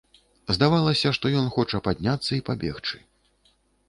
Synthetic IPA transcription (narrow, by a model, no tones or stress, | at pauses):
zd̪avalˠɐsʲɐʂt̪ɔjɔnxɔt͡ʂɐpad̪ʲnʲat̪sːɐipabʲɛxt͡ʂɨ̥